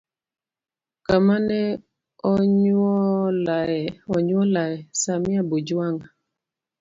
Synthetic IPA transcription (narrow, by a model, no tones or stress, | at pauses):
kamanɛ | ɔɲɔlaɛɔɲwɔlaɛsamɪabod͡ʒuaŋa